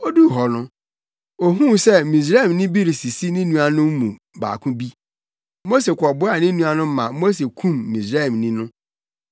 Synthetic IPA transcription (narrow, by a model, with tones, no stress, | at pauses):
o˦du˦˨ɦɔ˨nʊ̃˦ | o˨ɦũ˦sɛ˦˨mĩ˨s̬ɾa˦˨m˨nɪ̃˦bi˦ɾi˨si˨si˦nɪ̃˦nũ˦a˨nʊ̃˦m̩˦mũ˨ | ba̰ː˨kʰʊ̃˦bi˦ | mo˦s̬e˨kʷʰɔ˨bʊ˦a˨nɪ̃˦nũ˦a˦nʊ̃˦m̩˦mã̰˨˦mo˦s̬e˨kʰũ˦˨mː˨ĩ˨sɾa˦˨mnĩ˦nʊ̃˦